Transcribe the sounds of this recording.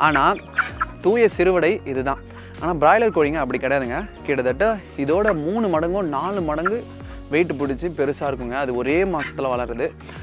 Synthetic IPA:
a̰ːnaː | t̪uːjɐsɪɾɯʋɐɽɐɪʔɪðɯt̪ãː | aːnaːbɪɾaːjɪlɐɾkoːɽiːŋɡɐːpːɐɽikːɐɽɐjaːðɯŋɡɐkiːɽɐðɐʈːɐ̃ɪðoːɽɐmuːnɯmɐɽɐŋɡõːnaːɭɯmɐɽɐŋɡɯ | ʋɐɪʈːɯpʊɽɪt͡ʃːɯpɛɾɯsaːɪɾɯkːɯŋɡɐːðɯɔɾeːmaːsɐ̥t̪ːɪlɐʋɐlɐɾɐðɯ

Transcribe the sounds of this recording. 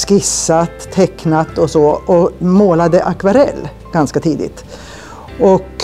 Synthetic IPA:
skɪsːat̪ʰːɛknat̪ɔsɔʔɔmoːlad̪əʔakvaɾɛ̰lː | ɡ̥anskat̪ʰiːd̪ɪ̰t̪ | ɔk

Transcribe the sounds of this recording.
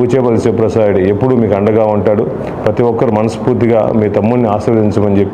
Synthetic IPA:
ut͡ʃɛːʋɐlisepːɾɐsaːjuɽie̞pːuɽumiːkɐɳɖɐɡaːuɳʈaːɽu | pɾɐt̪iʋɔkːɐɾumɐnɐspuːɾt̪iɡa̰ːmiːt̪ɐmːunːiaːsɾɐd̪iɲt͡ʃɐmɐnd͡ʒepːi

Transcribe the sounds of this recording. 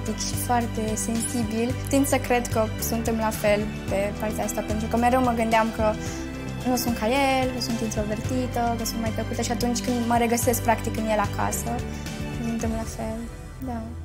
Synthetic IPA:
t̪ikʃi̥foart̪e̞se̞nsibilt̪int̪səkɾe̞d̪kə | sunt̪e̞mlafe̞l | pe̞part̪eaast̪ape̞nt̪ɾukəmeɾewməɡɨnd̪eamkə | nusunt̪̚kajelkəsunt̪int̪ɾo̞ve̞rt̪it̪əkəsunt̪majpləkut̪əʃiat̪unt͡ʃʲkɨnd̪məɾe̞ɡəsesk̚pɾakt̪ikɨnjelaka̰sə | sunt̪e̞mlafel | d̪a

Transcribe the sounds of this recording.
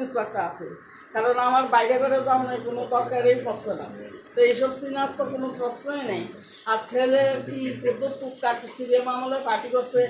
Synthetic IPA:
insbak̚ʈaasʰe | kaɾonamaɾbajɾebeɾed͡zaɦnɔjkonod̪ɔɾkaɾejfɔsena̰t̪oejʃɔbsinatt̪ːokonosɾɔsnɔenɛj | aɾt͡ɕʰelekipɾod̪ot̪ːuk̚ʈaksibiemamolajfaʈikɔse

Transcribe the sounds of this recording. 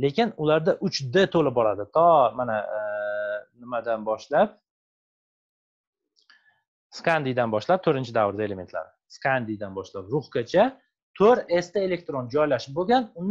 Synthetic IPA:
le̞kʲɪnʊlaɾd̪aʔʊt͡ʃd̪ɪt̪ʰolɪp̚bɒɾad̪ɪt̪ʰɒmana | nɪmad̪anbɒʃlap̚ | skʰand̪ijd̪anbɒʃlap̚t̪ʰɵɾɪnt͡ʃʰɪd̪avɾɪd̪ae̞leme̞nt̪la̰ɾɪskʰand̪ijd̪anbɒʃlapɾʊχkat͡ʃʰa | t̪ʰoɾe̞st̪ae̞le̞k̚ʲt̪ɾond͡ʒɒjlaʃɪp̚boɡʲanʊn

